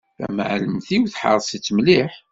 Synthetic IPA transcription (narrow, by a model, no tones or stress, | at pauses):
θæ̰mʕləmθiwθħə̰ɾˤsit͡sːmliħ